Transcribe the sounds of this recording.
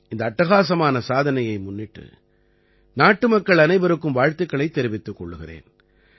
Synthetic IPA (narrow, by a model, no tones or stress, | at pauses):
ɪnd̪ɐːʈːɐɣaːsɐmaːnɐsaːðɐnɐjɐɪmʊnːɪʈːɯ̰ | naːʈːɯmɐkːɐɭɐnɐɪbɐɾɯkːɯmʋaːɻt̪ɯkːɐɭɐɪt̪ːɛɾɪʋɪt̪ːɯkːɔɭːɯɣɪrḛːn